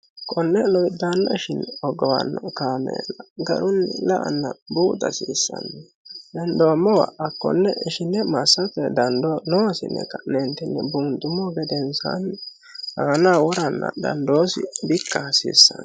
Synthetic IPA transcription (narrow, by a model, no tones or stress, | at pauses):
kʰʼɔnːɛlɔjd̪andɔɪʃɪnːɛɔɡɔwɐ̰nːɔkaːmɛ̰ːlɐɡɐ̰ɾʊnːɪlɐʔɐ̰nːɐbuːt̪ɐsiːsːɐ̰nːɛ | dɛnd̪oːmːɔwa̰ʔɐkːɔ̰nːɛɪʃɪnːɛmɐsːɐtːɛd̪ɐnd̪ɔnoːsɪnːɛ̰kɐʔnɛnt̪ɪnːɛbuːnt̪ʊmːɔɡɛd̪ɛnsa̰n | haːnawɔɾɐnːɐ̰d̪ɐ̰nd̪oːsɪbɪkːasɪ̰sːɐn